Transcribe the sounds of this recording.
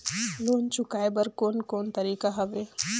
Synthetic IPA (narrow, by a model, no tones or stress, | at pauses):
loːnt͡ʃʊkaːebɐɾkoːnkoːnt̪ɐɾiːkaɦɐʋeː